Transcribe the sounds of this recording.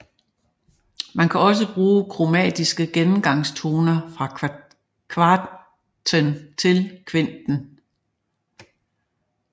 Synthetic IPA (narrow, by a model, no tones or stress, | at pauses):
mænkʰæɒ̽s̬əb̥ʁuːkʰʁomɛ̰ːd̥isɡ̥əɡ̥enm̩ɡ̥ɑ̈ŋ̰st͡sʰo̝ːnɐfʁɑ̈ | kʰʋɑ̈ | t͡sʰənt͡sʰe̝lkʰʋend̥n̩